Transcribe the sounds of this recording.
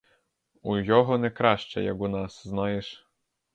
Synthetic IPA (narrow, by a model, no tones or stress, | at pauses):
ujɔɦɔnɛkɾɑʃt͡ʃɛ̰jɐ̰kunɑsznɑjeʃ